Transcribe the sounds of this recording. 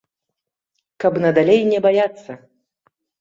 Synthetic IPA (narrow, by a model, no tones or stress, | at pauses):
kɐbnɐd̪alʲejnʲɛbajat̪sːɐ